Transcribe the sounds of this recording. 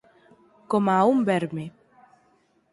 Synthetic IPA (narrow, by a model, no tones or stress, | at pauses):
komaumbɛɾme